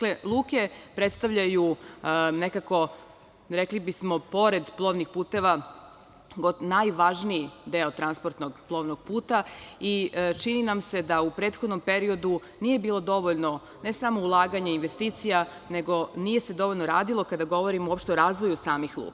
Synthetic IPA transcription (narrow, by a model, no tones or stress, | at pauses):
aklelˠuːke̞pɾet̪st̪aʋʎaju | ne̞kako̞ | ɾeklibismo̞po̞ɾe̞d̪plˠo̞ːʋnixpuːt̪e̞ʋa | ɡonajʋaʒniid̪eot̪ɾanspo̞ɾt̪noɡplˠo̞ːʋnoɡ̥̚puːt̪ait͡ʃininamse̞d̪aupɾe̞ːt̪xod̪no̞mpe̞ɾio̞d̪u | nije̞biːlˠo̞d̪o̞ʋoʎno̞ | ne̞samoulˠaːɡaɲeinʋe̞st̪iːt̪sija | ne̞ɡo̞nije̞se̞d̪o̞ʋoʎʲnoɾaːd̪ilˠo̞kad̪aɡo̞ʋo̞ɾimouo̞pʃt̪e̞oɾaːzʋo̞jusaːmixlˠṵk